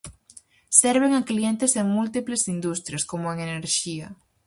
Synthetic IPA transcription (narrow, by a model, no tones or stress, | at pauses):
sɛɾβ̞eŋɐklient̪eseŋmult̪iplesind̪ust̪ɾjɐskomʊeŋeneɾʃiɐ̰